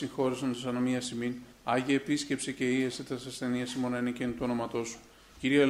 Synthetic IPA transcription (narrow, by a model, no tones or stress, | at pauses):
ixo̞ɾisont̪isɐnomiɐsimin | ɐʝiɐepisce̞psece̞ieset̪ɐsɐsθe̞niɐsimonɐnicenut̪uono̞mɐt̪o̞su̥ | ciɾie